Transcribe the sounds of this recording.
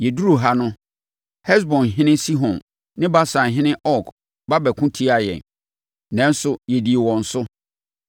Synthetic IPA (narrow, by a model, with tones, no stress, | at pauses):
jɛ˨du˦ɾu˨ɦa˦nʊ̃˦ | hɛ˦s̬bɔ̃˨nɦɪ̃˦nɪ̃˦si˦ɦɔ̃˨n | nɪ̃˦ba˦sã˨ɦɪ̃˦nɪ̃˦ʔɔ˦˨k | ba˦bæ˨kʰʊ̃˦tʰi˦a˨jɛ̰̃˨n | nɛ̃˨n˦sʊ˨jɛ˨di˨e˨wɔ̃˨n̩˨sʊ˦